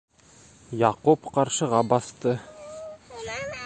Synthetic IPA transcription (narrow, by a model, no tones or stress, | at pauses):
jɑqupqɑɾʃɤ̆ʁɑbɑst̪ɤ